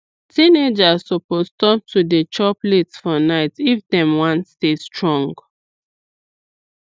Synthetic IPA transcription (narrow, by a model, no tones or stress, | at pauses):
tined͡ʒassɔpostɔp̚tʰudət͡ʃɔplɛtsfɔnaɪtifdɛ̃mwãntstestɹɔ̃ŋɡ